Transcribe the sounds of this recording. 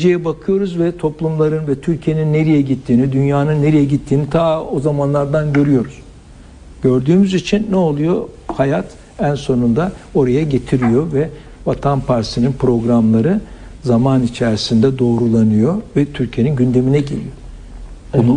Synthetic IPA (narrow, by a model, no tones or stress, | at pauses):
d͡ʒejɛbakʰɯjo̞ɾuzvɛt̪ʰo̞plˠumlˠaɾɯnvɛt̪ʰyɾcʰije̞ninːe̞ɾijɛɟit̪ʰːiːnid̪ynjaːnɯnːe̞ɾijɛɟit̪ʰːiːnit̪ʰaːozamanlˠaɾd̪anɟøɾyjo̞ɾuz̥ | ɟ̥ø̞ɾd̪yːmyzit͡ʃʰinːɛo̞lˠujo̞hajat̪ | ænso̞nund̪ao̞ɾajaɟe̞t̪ʰiɾijo̞vɛ | vat̪ʰanpʰaɾsininpɾo̞ɡɾamlˠaɾɯzamanit͡ʃʰæɾsind̪ɛd̪o̞ːɾulˠanɯjo̞vɛt̪ʰyɾcʰije̞ninɟynd̪e̞minɛɟelʲḭjo̞ | bunu